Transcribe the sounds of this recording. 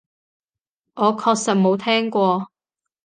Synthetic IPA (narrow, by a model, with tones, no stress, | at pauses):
ʔɔː˨˧kʰɔː˧k̚sɐ˨t̚mo˨˧wt̪ʰɛː˥ŋkʷɔː˧